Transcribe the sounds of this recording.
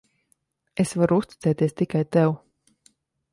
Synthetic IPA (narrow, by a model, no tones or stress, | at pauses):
esvaɾuust̪it̪sɛːt̪iɛst̪ikajt̪ɛw